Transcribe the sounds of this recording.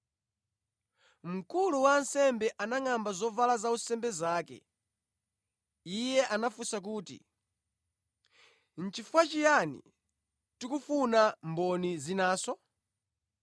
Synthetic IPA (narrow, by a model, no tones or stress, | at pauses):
m̩kuluwansɛmbɛʔanaŋambazɔvalazausɛmbɛzaːkɛ̰ | ijɛʔanafusak̬uːtḭ | n̩t͡ʃifwat͡ʃijanḭ | tikufunambɔnizinaːsɔ